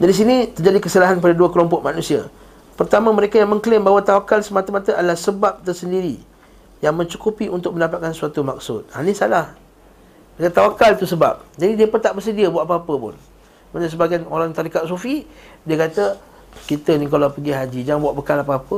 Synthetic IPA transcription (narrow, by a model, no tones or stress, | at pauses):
daɾis̬inĩt̪ərd͡ʒadikəsalaɦanp̬adaduəkəlɔmpɔʔ̚manũsia̰ | pərt̪amãməɾekajaŋmə̃ŋklɪmbaɦwat̪awakalsəmat̪amat̪əadəlahsəbap̚t̪ərsəndiɾi | jaŋmə̃ɲt͡ʃukupiʔunt̪ʊk̚məndapat̪̚kansuat̪umak̚sʊt̪̚hanisalah | dkat̪awakalt̪usəba̰p̚d͡ʒadidiəpət̪aʔbərs̬ədiabuaʔpaapəpʊ̰n | manəs̬əbaɡajnoɾaŋt̪aɾikat̪̚sufidiəkat̪ə | kit̪ənikalapəɡiɦad͡ʒid͡ʒaŋbuaʔbəkalapəapə